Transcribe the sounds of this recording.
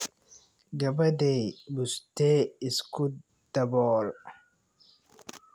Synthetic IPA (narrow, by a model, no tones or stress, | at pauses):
ɡɐbɐd̪ejbʊst̪eːɪsku | d̪ɐbɔːɾ